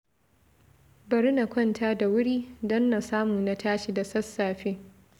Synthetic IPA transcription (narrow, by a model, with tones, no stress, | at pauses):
bɐ˨ɾɪ˦na˨kʷɐ˦ntʰaː˦da˨wʊ˦ɽiː˦dɐ˦nːa˨saː˦mʊ˨na˦tʰaː˦ʃi˨da˨sɐ˦sːaː˨ɸeː˦